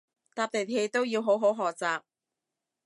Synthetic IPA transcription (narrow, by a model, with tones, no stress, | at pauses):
t̪aː˧p̚t̪e˨˩he˧jt̪o˥wjiː˧wɦo˨˥wɦo˨˥wɦɔː˨˩k̚t͡saː˨p̚